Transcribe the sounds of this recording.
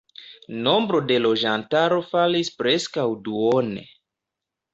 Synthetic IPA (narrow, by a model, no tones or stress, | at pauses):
no̞mbɾo̞de̞lo̞d͡ʒantaɾo̞falispɾe̞skawduonḛ